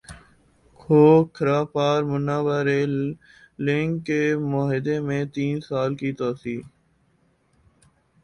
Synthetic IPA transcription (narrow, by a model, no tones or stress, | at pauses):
kʰoːkʰəɾaːpaːɾmʊnːaːʋaːɾeː | lɪ̃ŋkːeːmaːɦɪd̪eːmẽːt̪iːnsaːlkiːt̪oːsiː